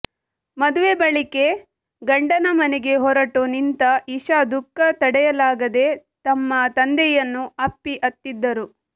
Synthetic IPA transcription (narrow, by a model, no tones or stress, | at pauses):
mɐd̪uʋe̞bɐɭike̞ | ɡɐɳɖɐnɐmɐnɛɡe̞ɦɔɾɐʈoːnint̪ɐiʃad̪ukːɐt̪ɐɽɛjɐlaːɡɐd̪e̞t̪ɐmːɐt̪ɐnd̪ɛjɐnːuɐpːiʔɐt̪ːid̪ːɐɾu